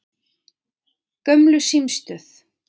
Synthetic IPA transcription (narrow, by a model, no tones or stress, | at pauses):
kœmlʏsimst̪œθ